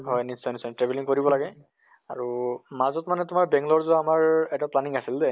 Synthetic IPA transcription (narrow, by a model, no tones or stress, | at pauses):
ɦɔjnisːɔjnisɔtɹebɛliŋkoɹibɔlaɡɛ | a̰ɹumazɔtmanɛtʊmaɹbɛŋɡlɔɹzuaamaɹɛtaplaniŋasildɛ